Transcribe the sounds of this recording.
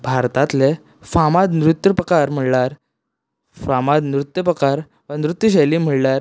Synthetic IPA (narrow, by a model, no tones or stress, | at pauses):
bʱaɾt̪ãt̪le | famad̪nɾut̪ːjəpɾəkaɾm̤əɽlaɾ | famad̪nɾut̪jəpɾəkaɾ | ʋənɾut̪ːjəɕ̬ajliːm̤əɽlaɾ